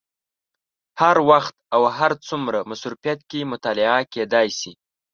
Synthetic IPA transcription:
haɾwaxt̪̚awɦaɾt͡sumɾamasɾufijat̪̚kemʊt̪ɑlɪaked̪ɑjsi

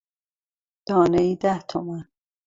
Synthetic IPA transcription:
d̪̥ɒːneiːd̪æht̪ʰomæn

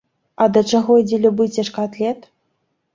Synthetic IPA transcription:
ɐd̪ɐt͡ʂaɣɔd͡zʲɛlʲubɨt͡sʲɛʂkat̪lʲɛt̪

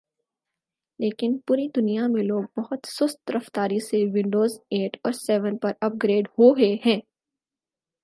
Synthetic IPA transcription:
leːkɪnpuːɾid̪ʊnijamẽloːɡ̚bɐɦʊt̪sʊst̪ɾɐft̪aːɾiseʋɪ̃ɳɖoːzeːʈʰɔːɾsɛːʋə̃npɐɾɐp̚ɡɾeːɖhoɦeɦɛ̃ː

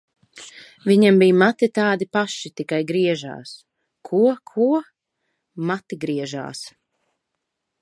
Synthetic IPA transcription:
viɲambijmat̪it̪aːd̪ipaʃit̪ikajɡɾiɛʒa̰ːs | kʰuɔkʰuɔ | mat̪iɡɾiɛʒa̰ːs

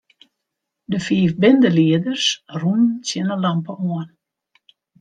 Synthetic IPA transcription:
dəfiːfbɪndəliədərsrunənsjɪnəlɑmpəoən

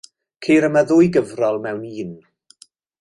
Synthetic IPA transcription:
kʰeːɾəmaðʊːjɡəvrɔlˠmɛwniːn

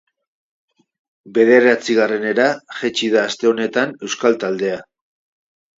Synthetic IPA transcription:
be̞ð̞e̞ɾat͡siɣare̞ne̞ɾaʝet͡ʃið̞aːst̪e̞o̞ne̞t̪ane̞wskalt̪ald̪e̞a

